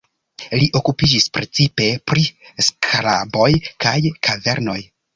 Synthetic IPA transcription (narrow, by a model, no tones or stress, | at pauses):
liʔo̞kupid͡ʒispɾʔe̞t͡sipe̞pɾiskʰla̰bo̞jkajkʰave̞ɾno̞j